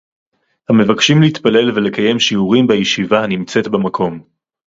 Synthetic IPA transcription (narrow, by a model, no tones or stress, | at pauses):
hame̞vakʃimlehit̪pale̞lvele̞kaje̞mʃiuʁimbajeʃivanimt͡se̞tbemakʰo̞m